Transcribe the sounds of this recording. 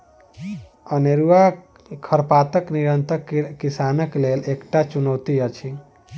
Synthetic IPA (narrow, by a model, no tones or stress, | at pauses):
əneɾua | kʰəɾpaːt̪əkniɾə̃nt̪əːisaːnəkleleːkʈat͡ʃunəwt̪iət͡ʃʰi